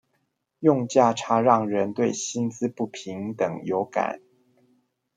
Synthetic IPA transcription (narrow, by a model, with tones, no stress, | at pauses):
jʊ˥˧ŋt͡ɕja˥˩ʈ͡ʂʰa˧˥ɻɑ˥˩ŋɻə˧˦˥nt̪we˥˩ɪɕi˥nt͡sɹ̩˥pu˥˩pʰi˧˥ŋt̪ə˨˩ŋjo˧˥ʊka̰˨˩˦n